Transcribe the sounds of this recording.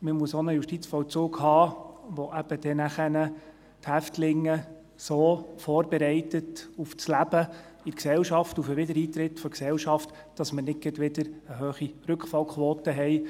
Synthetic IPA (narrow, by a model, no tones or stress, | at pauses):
məmuəsonəjuʃtit͡sfɔwt͡suːɡhɑːʋɔʔæb̥əd̥ɛnæχənə | thæftlɪŋːə | soːfoːɾbɛɾɛɪtətuft͡slæb̥ə | ɪɾksɛlʃɑftufəʋɪdəɾiːt̪ɾɪtfɔɾksɛlʃɑft | d̥ɑsmənɪt̚ɡ̥ədʋɪdəɾəɦøːχiɾɵkχfɑlkʰχʋɔːt̪əɦɛɪ